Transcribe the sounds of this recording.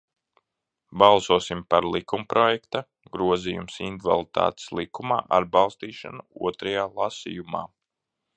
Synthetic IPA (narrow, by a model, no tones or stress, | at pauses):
bɑlˠsuɔsimpaɾlˠikumpɾɔjɛkt̪a | ɡɾuɔzijumsind̪va̰lˠit̪a̰ːt̪slˠikuma̰ːʔaɾbɑlˠst̪iːʃa̰nuuɔt̪ɾajaːlˠasḭjuma̰ː